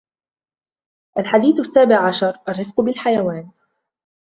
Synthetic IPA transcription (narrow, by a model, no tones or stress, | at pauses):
ʔalħad̪iːθʔasːaːbɪʕʕaʃɑɾˤʔarˤːɪfqʊbɪlħajawaːn